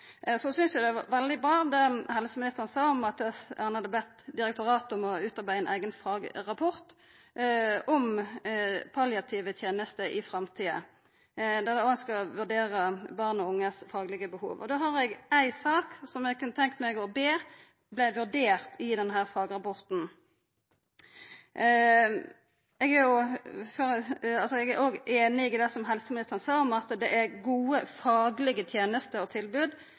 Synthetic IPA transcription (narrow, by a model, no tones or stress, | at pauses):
sɔsʏnsjæɪd̪ɛʋɑ̰ʋɛld̪ɪbɾɑːd̪ɛhɛləsəmɪnɪst̪əʁənsɑːɔmɑt̪hɑnhɑd̪ːəb̪lɛt̪d̪ɪɾɛk̚t̪ʊʁɑːt̪ɔmɔʉːt̪ɑʁbæɪɛnʔæ̰ɪɡənfɑːɡʁɑpʰɔɾt̪ | ɔm | pʰɑljɑt̪ʰiːʋət̪ʰjeːnəst̪əʔɪfɾɑmt̪ʰiːə̰ | d̪ɛd̪ɛɔɑnskɑʋʉʁɖeːɾəbɑʁnɔʊŋːəsfɑːɡlɪɡəbəhṵːʋɔ̰d̪oːɦɑʁɛɡæɪsɑːksɔmɛɡkʰʉnət̪ʰɛŋkt̪mɛɡɔbeː | blæɪʋʉʁɖeːʁt̪ɪd̪ɛnɦæːʁfɑːɡʁɑpɔʁt̪n̩ | ɛɡæɾjʊfɔʁɑlsɔɛɡæɾoːɡʔeːnɪɪd̪æsɔmɦɛlsəmɪɪst̪əʁnsæɔmɑt̪d̪ɛʔæɾɡuːəfɑːɡlɪɡət̪ʰjeːnəst̪əɾɔt̪ʰɪlbʉːd̪